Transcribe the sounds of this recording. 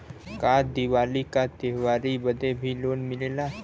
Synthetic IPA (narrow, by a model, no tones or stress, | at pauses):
kaːd̪iʋaːlikat̪eʋaːɾibəd̪ebʱiloːnmɪlela